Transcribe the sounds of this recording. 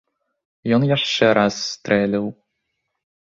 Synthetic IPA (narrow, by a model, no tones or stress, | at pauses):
jɔnjaʂt͡ʂɛɾʔasːt̪ɾʔɛlʲɛw